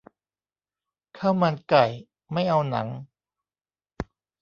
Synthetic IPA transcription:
kʰaː˥˩wma˧nka˨˩j | ma˥˩jʔa˧wna̰˩˦ŋ

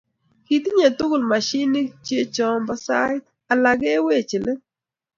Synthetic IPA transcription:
ki˨t̪ɲa˨tu˦kɡu˨lma˨ʃi˦ni˦t͡ʃje˦t͡ʃɔ˨˦mba˦sa˦jt | a˨la˨ɡe˦we˦˨t͡ʃɪ˨le˦

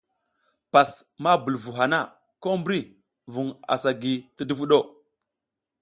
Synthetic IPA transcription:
pa˨sma˦bu˨lvu˨ɦa˨na˦˨ | ko˦mbɾi˦ | vu˨ŋa̰˨sa˨ɡi˨ti˦du˦vu˦ɗo˦˨

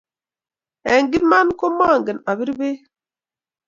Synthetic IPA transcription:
ɛ˨ŋɡi˦ma˦nko˦ma˦˨ŋɡə˨na˨βi˦ɾbe˦

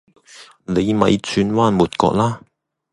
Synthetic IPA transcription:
ne˨˧jmɐ˨˧jt͡sʰyː˧nwaː˥nmuː˨t̚kɔ̰ː˧k̚laː˥

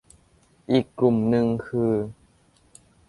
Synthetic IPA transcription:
ʔiː˨˩kːlu˨˩mnɯ˧ŋkʰɯː˧

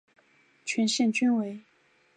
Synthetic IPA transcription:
t͡ɕʰɥɛ˧˥nɕɛ˥˩nt͡ɕy˥nwe˧˥ɪ

